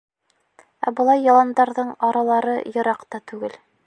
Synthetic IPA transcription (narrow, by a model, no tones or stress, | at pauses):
æ̰bɤ̆lˠɑjːɑlˠɑnd̪ɑɾðɤɴɑɾɑlˠɑɾɤjɤ̆ɾɑqt̪ɑt̪ʉɡɘl